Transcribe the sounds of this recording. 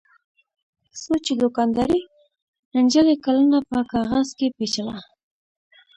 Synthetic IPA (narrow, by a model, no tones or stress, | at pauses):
sot͡ʃed̪ʊkɑnd̪ɑɾi | ənd͡ʒəlekalənapəkɑɣazkepet͡ʃawa